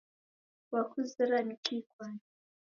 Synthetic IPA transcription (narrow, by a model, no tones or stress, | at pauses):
wakuziɾanikikwan